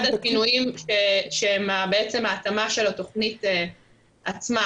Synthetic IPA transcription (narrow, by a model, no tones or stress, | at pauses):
d̪akinuimʃeʃeemabeet͡se̞maːtamaʃe̞lato̞χnite | at͡sma